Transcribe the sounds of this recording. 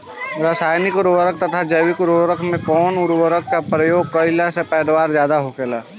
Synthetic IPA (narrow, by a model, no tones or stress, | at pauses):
ɾasaːjnɪkʊɾʋəɾək̚t̪ɐt̪ʰad͡ʒəwikʊɾwəɾəkʰmẽkɔːnʊɾwəɾəkːapɾəjoːɡ̚kɔɪlasepɛːd̪waːɾzjaːd̪aɦokelaː